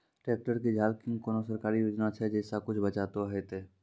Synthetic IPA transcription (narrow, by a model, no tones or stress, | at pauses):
ʈɾeːk̚ʈəɾked͡ʒʱaːlkɪ̃ŋɡkoːnosəɾkaːɾijoːd͡ʒnat͡ʃʰɛd͡ʒɛːsakʊt͡ʃʰbət͡ʃaːt̪oɦet̪eː